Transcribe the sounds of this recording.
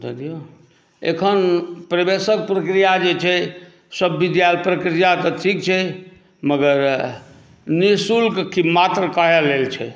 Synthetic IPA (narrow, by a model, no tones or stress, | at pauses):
d̪əd̪ijo | ekʰənpɾəbesək̚pɾəkɾijad͡ʒet͡ʃʰɛ | səbːid̪jalpɾəkɾijat̪ət̪ʰikt͡ʃʰɛ | məɡəɾ | nisulkkimat̪ɾəkaɦelelt͡ʃʰɛ̰